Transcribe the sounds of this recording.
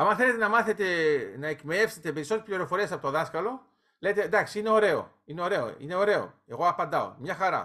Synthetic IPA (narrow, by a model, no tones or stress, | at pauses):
ɐmɐnθe̞le̞t̪e̞nɐmɐθe̞t̪e̞nɐekmeefset̪epe̞ɾisot̪ɾespliɾo̞fo̞ɾiesɐpo̞t̪oðɐskɐlo̞ | lejt̪end̪ɐksiine̞o̞ɾe̞o̞̰ | ine̞o̞ɾe̞o̞̰ḭne̞o̞ɾe̞o̰e̞ɣo̞ɐpɐnd̪ɐo̰mɲɐxɐɾɐ̰